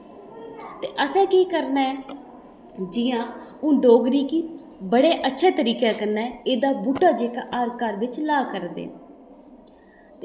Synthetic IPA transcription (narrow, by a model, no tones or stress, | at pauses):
t̪eːʔəsɛ̃ːkiːkəɾnaːɛː | d͡ʒɪjãːũːɖoːɡɾiːkiːbəɽeːʔətːʃʰeːt̪əɾiːkaːkənːɛːeːd̪aːbuːʈːaːd͡ʒeːkaːʔaːɾkaːɾʋɪt͡ʃlaːkəɾd̪ḛːn | t̪e